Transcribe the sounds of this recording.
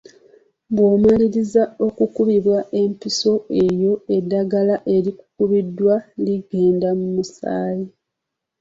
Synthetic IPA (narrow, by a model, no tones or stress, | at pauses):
βwoːmaliɾizao̞kukuβiβwaʔe̞mpiso̞e̞jo̞e̞dːaɡalaʔe̞ɾiku̥kuβidːwaliɡe̞ːndamumusa̰ːji